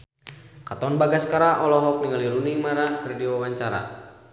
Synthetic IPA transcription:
kat̪ɔnbaɡaskaɾaʔɔlɔɦɔk̚niŋaliɾuniŋmaɾahkɨrdiwawaɲt͡ʃaɾa̰

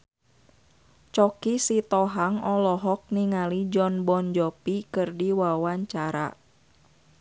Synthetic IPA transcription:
t͡ʃɔkisit̪ɔɦaŋɔlɔɦɔk̚niŋalid͡ʒɔnbɔnd͡ʒɔpikɨrdiwawaɲt͡ʃaɾa̰

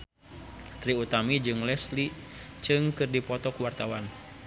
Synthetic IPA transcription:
t̪ɾiut̪amid͡ʒɨŋlɛslit͡ʃɨŋkɨrdipɔt̪ɔkuwart̪awan

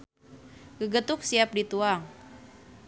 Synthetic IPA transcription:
ɡəɡət̪ʊk̚siap̚dit̪uaŋ

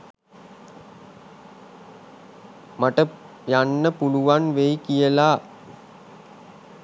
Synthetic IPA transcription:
maʈə | janːəpuluʋanʋejkijəlaː

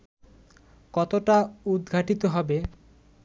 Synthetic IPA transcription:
kɔt̪oʈaud̪ɡʱaʈit̪oɦɔbe

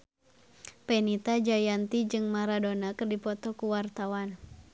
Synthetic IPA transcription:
pɛnit̪ad͡ʒajant̪id͡ʒɨŋmaɾadonakɨrdipɔt̪ɔkuwart̪awan

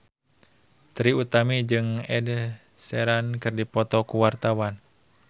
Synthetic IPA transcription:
t̪ɾiut̪amid͡ʒɨŋɛd | sɛɾankɨrdipɔt̪ɔkuwart̪awan

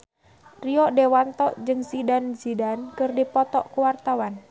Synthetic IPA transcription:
riɔʔdewant̪ɔʔd͡ʒɨŋsidanzidankɨrdipɔt̪ɔʔkuwart̪awan

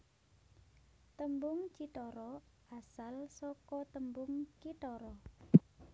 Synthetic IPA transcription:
t̪əmbʊŋt͡ʃit̪ɔɾɔʔasalsɔkɔt̪əmbʊŋt͡ʃit̪ɔɾɔ

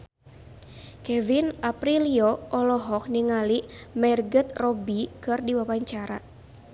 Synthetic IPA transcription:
kɛvinʔapɾiliɔɔlɔɦɔk̚niŋalimɛrɡət̪̚rɔbikɨrdiwawaɲt͡ʃaɾa

